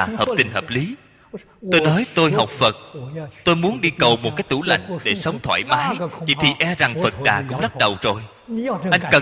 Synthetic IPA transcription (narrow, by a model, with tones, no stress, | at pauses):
həː˨˩p̚t̪ï˨˩ŋ̟həː˨˩p̚li˨˦ | t̪o˧jnɔ˨˦jt̪o˧jɦa˨˩wk͡p̚fə˨˩t̚t̪o˧jmu˨˦ənɗi˧kə˨˩wmo˨˩t̚kaː˨˦jt̪ṵ˧˩la̰˧˨jŋ̟ɗe˧˩sə˨˦wŋ͡mt̪ʰwa̰ː˧˩jmaː˨˦jvḭ˧˩t̪ʰi˨˩ʔɛ˧za˨˩ŋfə˨˩t̚ɗa̰ː˨˩kʊ̰˧˥ŋ͡mzə˦˥t̚ɗə˨˩wzo˨˩j | ʔa˧jŋ̟kə˨˩